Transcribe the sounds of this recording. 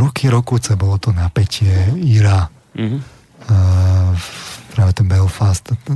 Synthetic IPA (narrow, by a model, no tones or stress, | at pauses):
ɾɔkʰiɾɔkut͡sɛbɔlɔt̪ɔnapɛcɛiɾa | pɾaːʋɛt̪ɛnbɛlfast̪